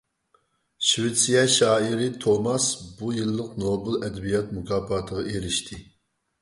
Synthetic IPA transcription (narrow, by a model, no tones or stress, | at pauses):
ʃwet̪sijɑʃɑːiɾɪt̪ʰomɑsbujɨlˠːəqnoːbɨlˠɛd̪ɛbijɑt̪mukʰɑːpɑːt̪ʰəʁɑeɾɪʃt̪ʰɪ